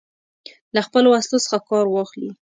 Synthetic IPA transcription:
laxpəloast̪osə̥xakɑɾwɑxli

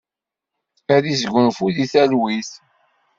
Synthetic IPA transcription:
æɾizɡʷənfuðiθælwiθ

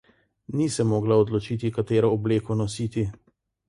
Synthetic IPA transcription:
nisɛmːoːɡlaɔd̪lɔt͡ʃiːt̪ikat̪eːɾɔːbleːkɔnɔsiːt̪i

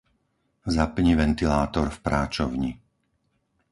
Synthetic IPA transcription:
zapɲiʋɛnt̪ilaːt̪ɔɾfpɾaːt͡ʃɔʊɲi

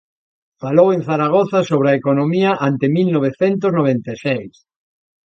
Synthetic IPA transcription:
faloweŋθaɾaɣ̞oθasoβɾɐekonomiɐʔant̪emilnoβ̞eθɛnt̪̬ʊznoβ̞ent̪esɛjs

